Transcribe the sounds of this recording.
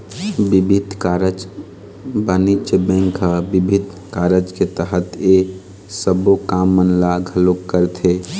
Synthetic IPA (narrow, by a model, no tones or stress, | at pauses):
bibʱid̪ʱkaɾəd͡ʒ | banit͡ʃbɛ̃ŋkʰabibʱɪd̪ʱ | kaɾəd͡ʒket̪əɦət̪e | səbokamːənlaɡʱəlokːəɾt̪ʰe